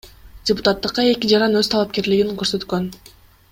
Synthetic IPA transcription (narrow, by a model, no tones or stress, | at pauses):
dʲɪput̪at̪ːɯqːɑe̞kʲid͡ʒɑɾɑnøz̥t̪ʰɑlˠɑp̚ke̞ɾliɡiŋkø̞ɾsø̞t̪kø̞n